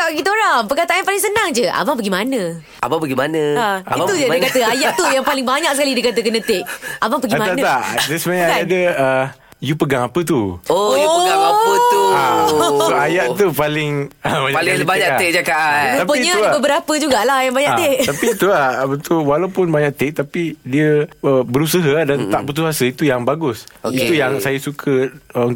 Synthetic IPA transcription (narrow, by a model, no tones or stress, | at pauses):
t̪aʔɡit̪oɾaŋpəkat̪aanpalɪŋsənaŋd͡ʒəʔa̰baŋpəɡimanə̃ | a̰baŋpəɡimanə̃aait̪ud͡ʒədəkat̪əajaʔt̪ujaŋpalɪŋbaɲak̚səkalidəkat̪əkənə̃t̪eʔ̚abaŋpəɡimãant̪adɛsmaaadəə | jupəɡaŋapət̪uojuəɡãaət̪u | uajaʔt̪upalɪŋəbaɲalɪbaɲaʔ̪ɪd͡ʒakaʔ̪apəiɲət̪ubəbəɾapəd͡ʒuɡaʔlahjaŋbaɲaʔt̪eʔt̪apit̪uahbənt̪ʊkwalapʊnbaɲaʔt̪ɪʔ̚t̪apidiəəbəɾusəɦədant̪aʔbət̪̬uɦasəit̪ujaŋbaɡʊsoit̪ujaŋsajasukʰəəun